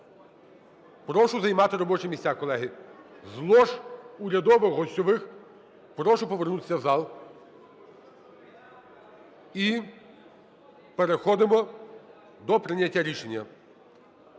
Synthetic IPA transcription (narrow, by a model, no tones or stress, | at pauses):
pɾɔʃʊzɐjmɑt̪ɪɾɔbɔt͡ʃɪmʲisʲakɔlˠɛɦɪ | zlˠɔʃuɾʲɐd̪ɔʋɪxɦɔsʲtʲɔʋɪx | pɾɔʃʊpɔʋernut̪ɪ̥sʲɐwzɑlˠ | i | peɾexɔd̪ɪmɔ | d̪ɔpɾɪnʲːɐtʲːaɾʲiʃenʲːɐ